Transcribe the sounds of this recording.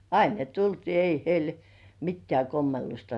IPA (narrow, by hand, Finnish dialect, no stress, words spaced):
ɑin ne tultiː ei heil mitːĕæˑ komːelːustɑ